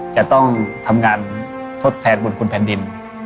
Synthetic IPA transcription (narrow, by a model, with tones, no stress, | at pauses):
t͡ɕa˧˩t̪ɔ˥˩ŋt̪ʰa˧mŋaː˧n | t̪ʰo˦˥t̪ʰːɛː˧nbu˨˧˩nkʰu˧˨npʰɛː˨˦ndi˧n